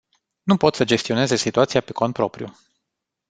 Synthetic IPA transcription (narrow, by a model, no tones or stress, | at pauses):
nupo̞t̪səd͡ʒe̞st̪io̞ne̞ze̞sit̪uat̪sijape̞ko̞npɾo̞pɾijṵ